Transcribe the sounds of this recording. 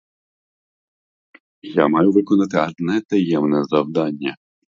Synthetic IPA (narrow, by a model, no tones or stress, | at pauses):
jamɑjʊʋɪkɔnɐt̪ɪɐd̪nɛt̪ɐjɛmnɛzɐwd̪ɑnʲːɐ